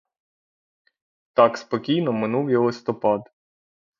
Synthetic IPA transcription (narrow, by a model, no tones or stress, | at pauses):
t̪ɑkspɔkʲijnɔmɪnuwjɔlˠɪst̪ɔpɑd̪